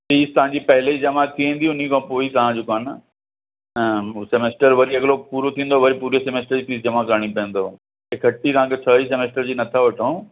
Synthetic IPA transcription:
piːst̪ɐʋ̤ãɲd͡ʑipɐɦɪlid͡ʑɐmat̪ʰiʋẽːn̆d̪iʊn̤ikãːpoːit̪ɐʋ̤ãd͡ʑukaːn | semeːsʈəɾʋɐɾiɐɡlopuːɾot̪ʰĩːn̆d̪oʋɐɾipuːɾesemeːsʈəɾd͡ʑiːpiːsd͡ʑɐmakɐɾaɽ̃ipɐə̃n̆d̪o | ekʰɐʈːit̪ɐʋ̤ãːkʰet͡ɕʰəisemeːsʈəɾd͡ʑiːnɐt̪ʰaʋɐʈʰõː

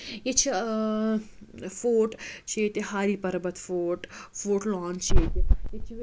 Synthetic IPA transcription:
jet͡ʃʰi | foːʈt͡ʃʰeːt̪ehaːɾipɐɾbət̪foːʈfoːʈlɔːnt͡ʃʰeːt̪ejet͡ʃʰi

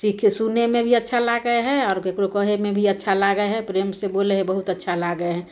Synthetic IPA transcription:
siːkʰesunemẽbʱiətːʃʰalaɡəeɦɛ̃ɔːɾekɾokəɦemẽbʱiətːʃʰalaɡəeɦɛ̃pɾeːmseboːleɦɛ̃bəɦut̪ətːʃʰalaɡəeɦɛ̃ː

